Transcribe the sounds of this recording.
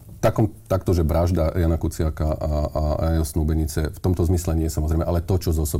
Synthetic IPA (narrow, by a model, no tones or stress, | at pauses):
t̪akɔmt̪akt̪ɔʒɛbɾaʒd̪ajanakut͡sɪakaʔaaajansnuːbɛɲit͡sɛft̪ɔmt̪ɔzmislɛɲɪɛɛsamɔzɾɛjmɛʔalɛt̪ɔt͡ʃɔzɔsɔ